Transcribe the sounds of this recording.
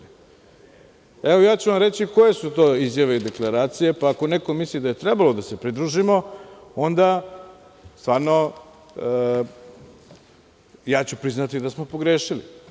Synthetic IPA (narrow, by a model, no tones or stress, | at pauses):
eʋo̞jaːt͡ɕuʋamɾe̞t͡ɕiko̞je̞sut̪o̞ːizjaʋe̞id̪e̞klˠaɾaːt̪sije̞paːko̞ne̞ko̞mislid̪aje̞t̪ɾebalo̞d̪ase̞pɾid̪ɾuʒimo̞o̞nd̪a | st̪vaːɾno̞ | jaːt͡ɕupɾiznat̪id̪asmo̞po̞ɡɾeːʃili